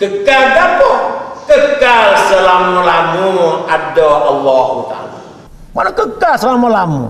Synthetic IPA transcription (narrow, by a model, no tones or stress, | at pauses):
kəkaldakɔkəkalsəlamɔlamuʔadɔʔalːɔhut̪a̰la | manokəkalsəlamɔlamṵ